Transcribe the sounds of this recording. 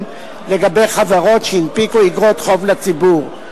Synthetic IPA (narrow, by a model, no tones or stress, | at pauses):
leɡabejχavaʁotʃeinpikuiɡʁot̪χo̞vlat͡sibuʁ